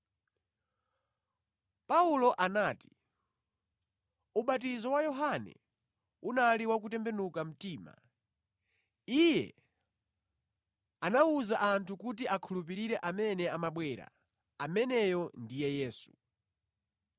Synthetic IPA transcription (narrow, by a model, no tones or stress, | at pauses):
paulɔʔanaːti̥ | uɓatizɔwajɔɦanɛ̰ | unaliwak̬utɛmbɛnukam̩tiːma̰ | ijɛ̰ | anauzaʔantʰukut̬iʔakʰulup̬iɾiɾɛʔamɛnɛamaɓwɛɾa̰ | amɛnɛjɔndijɛjɛːsu̥